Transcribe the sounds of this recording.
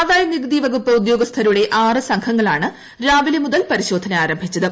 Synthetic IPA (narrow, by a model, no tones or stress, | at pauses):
ʋaːjɐniɡd̪iʋɐɡupːɐud̪jo̞ːɡɐst̪ʰɐɾuɽe̞ʔaːrɨsɐŋkʰɐŋːɐɭaːɳɨ | ɾaːʋilɐmuðɐlpɐɾiɕo̞ːd̪ʱɐnɐaːɾɐmbʱit͡ɕːɐðɨ